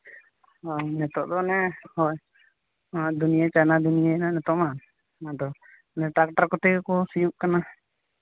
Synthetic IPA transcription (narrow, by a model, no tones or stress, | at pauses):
anɛt̪ɔʔd̪ɔnɛhɔj | ad̪unijat͡ʃanad̪unijananɛt̪ɔʔma | ad̪ɔ | nɛʈɾak̚ʈaɾkɔt̪ɛkɔsijuʔkana